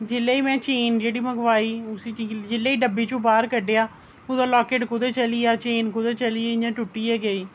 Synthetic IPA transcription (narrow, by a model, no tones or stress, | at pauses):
d͡ʒɪlːeːiːmɛ̃ːt͡ʃeːnd͡ʒeːɽiːməɡʋaːiːʊsiːt͡ʃiːd͡ʒɪlːeːiːɖəbːiːt͡ʃõːbaːɾkəɖeaː | ʊd̪aːlaːkeːʈkʊd̪eːt͡ʃəliːaːt͡ʃeːnkʊd̪eːt͡ʃəliːeːɲãːʈʊʈːiːeːɡəiː